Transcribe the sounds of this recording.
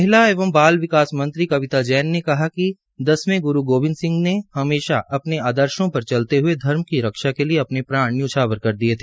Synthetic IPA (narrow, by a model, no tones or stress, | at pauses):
ɐɦɪlaeːʋəmbaːlʋɪkaːsmɐ̃nt̪ɾikɐʋɪt̪ad͡ʒɛːnːekɐɦaki | d̪ɐsmẽɡʊɾuɡoːbɪ̃nsɪ̃ŋɡnehɐmeːʃaʔɐpneaːd̪əɾʃõpɐɾt͡ʃɐlt̪eɦʊed̪ʱɐɾmkiɾɐkʃakelieɐpnepɾãːɽ̃juːt͡ʃʰaːʋəɾkɐɾd̪iet̪ʰeː